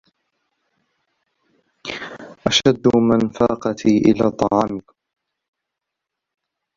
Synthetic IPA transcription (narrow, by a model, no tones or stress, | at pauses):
ʔaʃad̪ːmanfaːqɑt̪ʰiːʔɪ̰laːt̪ˤɑʕɑːmɪk